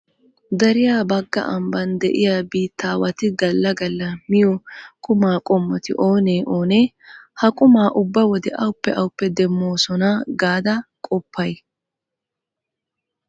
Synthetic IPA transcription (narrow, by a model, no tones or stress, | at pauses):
d̪ɐɾɪjaːbɐɡːɐ̰ʔɐmbɐnd̪ɛʔɪjaːbiːt̪ʰːaːwɐt̪ɪɡɐlːɐɡɐlːɐmɪjɔkʼʊmaːkʼɔmːɔt̪ɪ̰ʔo̞ːneːʔo̞ːneː | hɐkʼʊmaːʔʊbːɐwɔd̪ɛʔɐwʊpːɛʔɐwʊpːɛd̪ɛmːo̞ːsɔnaːɡaːd̪ɐkʼɔpʰːɐj